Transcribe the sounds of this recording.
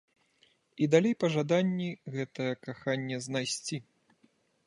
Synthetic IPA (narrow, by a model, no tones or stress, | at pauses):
id̪alʲejpɐʐad̪anʲːiɣɛt̪ɐjɐkaxanʲːɛznajsʲt͡sʲi